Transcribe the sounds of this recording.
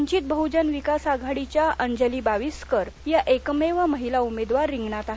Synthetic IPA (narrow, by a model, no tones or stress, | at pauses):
ɲt͡ɕiːt̪̚bəɦud͡ʑənʋikasaɡʱaɽit͡ɕjaʔəɲd͡ʑəliːbaʋiskəɾjaʔekmeʋaməɦilaumed̪ʋaɾːiŋɡɳat̪aɦ